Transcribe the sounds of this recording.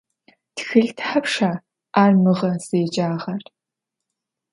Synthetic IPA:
txɨɮtʰħapʂaː | aːrmɨʁɐz̥eːd͡ʒʼaːʁɐr

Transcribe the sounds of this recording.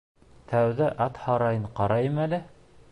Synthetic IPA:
t̪ʰæwðæʔɑt̪hɑɾɑjɤɴqɑɾɑjɤmælɘ

